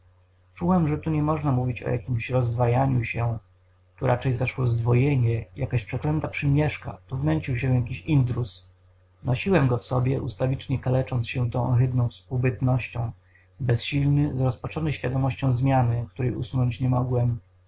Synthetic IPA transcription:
t͡ʂuwɛmʐɛt̪uɲɛmɔʐnamuvʲit͡ɕɔ̰ja̰kʲimɕɾɔzd̪vajaɲuɕɛ | t̪uɾʔat͡ʂɛjzaʂwɔzd̪vɔjeɲɛjakaɕpʂɛklɛnt̪apʂɘmʲjɛʂka̰t̪uvnɛɲt͡ɕiwɕ̬ɛ̃jak̬ʲiɕind̪ɾus | nɔɕiwɛmɡɔfsɔbʲjɛʔust̪avʲit͡ʂɲɛkalɛt͡ʂɔnt̪sɕɛt̪ɔ̃w̃ɣɘd̪nɔ̃w̃fspuwbɘt̪nɔɕt͡ɕɔ̃w̃ | bɛsɕilnɘzɾɔspat͡ʂɔnɛɕfʲjad̪ɔmɔɕt͡ɕɔ̃w̃zmʲjanɘk̚t̪uɾɛjṵsunɔɲt͡ɕɲɛmɔɡwɛm

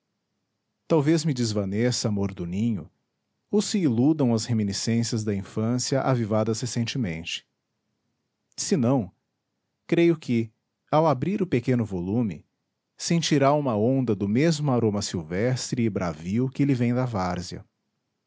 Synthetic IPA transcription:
t̪awvezmɪd͡ʒɪzvɐnesamoɾd̪ʊnĩɲʊ̰ | owsɪːlud̪ɐ̃w̃ɐzheminisẽsjɐzd̪ɐĩfɐ̃sjɐʔa̰vivad̪ɐshesẽnt͡ʃɪmḛ̃nt͡ʃɪ̥ | sɪnɐ̃w̃ | kɾejʊkʰɪ | awabɾiɾʊpekẽnʊvolũmɪ̰ | sẽnt͡ʃiɾaũmɐõnd̪ɐd̪ʊmezmʊaɾõmɐsiwvɛst̪ɾɪːbɾʔa̰viwkɪlɪvẽj̃d̪ɐvaɾziɐ̰

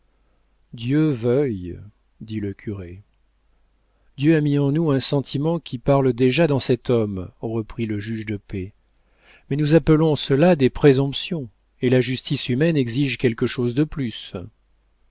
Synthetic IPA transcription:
d̪jøvœj | d̪iləkʲʰyʁe | d̪jøamiɑ̃nuɛ̃sɑ̃t̪ʰimɑ̃kʲʰipaʁləd̪eʒad̪ɑ̃sɛt̪ɔmʁəpχiləʒyʒd̪əpe | mɛnuzapəlɔ̃səlad̪epχezɔ̃psjɔ̃ | elaʒyst̪isymɛnɛɡziʒkʲɛlkəʃozd̪əplys

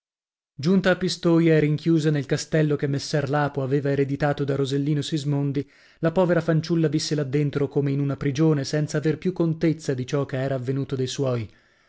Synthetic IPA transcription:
d͡ʒunt̪aːpːist̪oːjaɛɾiŋkjuːzanelkast̪ɛlːokemːesːɛrlaːpoaveːvaeɾed̪it̪aːt̪od̪arozelːiːnosizmond̪i | lapɔːveɾafant͡ʃulːavisːelad̪ːent̪ɾokomeinunapɾid͡ʒoːnesɛnt̪saːverpjukːont̪et̪sːad̪it͡ʃɔkeɛːɾaːvːenuːt̪od̪ejswɔːj

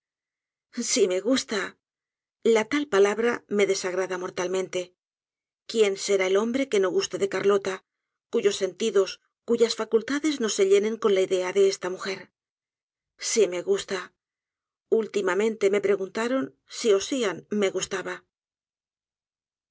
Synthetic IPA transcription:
sime̞ɣust̪a | lat̪alpalaβɾame̞ðe̞saɣ̞ɾaðamo̞ɾt̪almẽ̞nt̪e̞ | kje̞nse̞ɾaelo̞mbɾeke̞no̞ɣust̪e̞ðe̞kaɾlo̞t̪a | kuʝo̞sːe̞nt̪iðo̞s | kuʝasfakult̪aðe̞zno̞se̞ʎe̞nẽ̞ŋko̞nlaiðe̞aðe̞est̪amuxe̞ɾ | sime̞ɣust̪a | ult̪imamẽ̞nt̪e̞me̞pɾe̞ɣunt̪aɾo̞n | sio̞sianme̞ɣust̪aβa

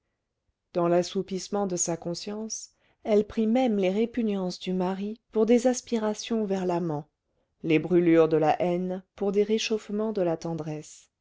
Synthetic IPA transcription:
d̪̥ɑ̃lasupismɑ̃d̪əsakɔ̃sjɑ̃s | ɛlpχimɛmleʁepynjɑ̃sd̪ymaʁipuʁd̪ezaspiʁasjɔ̃vɛʁlamɑ̃ | lebʁylyʁd̪əlaʔɛnpuʁd̪eʁeʃofmɑ̃d̪əlat̪ɑ̃d̪ʁɛs

